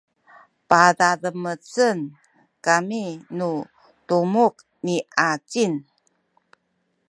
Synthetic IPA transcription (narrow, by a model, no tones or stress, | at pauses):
padaɾəmət͡sən | kaminu | tumuk̚ | niʔat͡ɕin